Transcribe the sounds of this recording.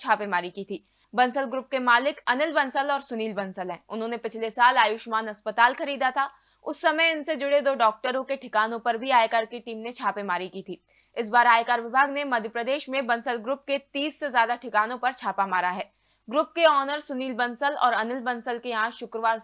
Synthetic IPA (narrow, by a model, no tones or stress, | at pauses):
t͡ʃʰaːpemaːɾikiːt̪ʰiː | bɐ̃nsəlɡɾʊp̚kemaːlɪkɐnɪlbɐ̃nsəlɔːɾsʊniːlbɐ̃nsəlɦɛ̃ːʊnɦõːnepɪt͡ʃʰlesaːlaːjʊʃmaːnɐspət̪aːlxɐɾiːd̪at̪ʰa | ʊsːɐməjɪnsed͡ʒʊɽed̪oːɖɔːk̚ʈəɾõkeʈʰɪkaːnõpɐɾbʱiaːekaːɾkiʈiːmnet͡ʃʰaːpemaːɾikiːt̪ʰiː | ɪs̬baːɾaːekaːɾʋɪbʱaːɡnemɐd̪ʱjəpɾəd̪eːʃmẽbɐ̃nsəlɡɾʊp̚ket̪iːsːezjaːd̪aʈʰɪkaːnõpɐɾt͡ʃʰaːpamaːɾaɦɛː | ɡɾʊpkeɔːnəɾsʊniːlbɐnsəlɔ̰ːɾɐnɪlbɐ̃nsəlkeãːʃʊkɾəʋaːɾ